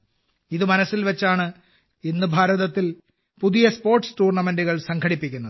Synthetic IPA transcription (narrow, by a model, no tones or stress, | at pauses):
iðɨmɐnɐsːilʋet͡ɕːaːɳɨ | inːɨbʱaːɾɐðɐt̪ːil | puðijɐspo̞ːrʈstuːrɳɐme̞nduɣɐɭsɐŋkʰɐɽipːikʲːunːɐðɨ